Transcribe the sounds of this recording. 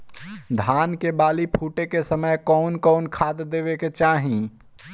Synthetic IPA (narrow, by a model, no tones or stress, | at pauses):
d̪ʱaːnkebaːlipʰuːʈekesəməjkɔnkɔːnkʰaːd̪d̪eːbeket͡ʃaːɦĩ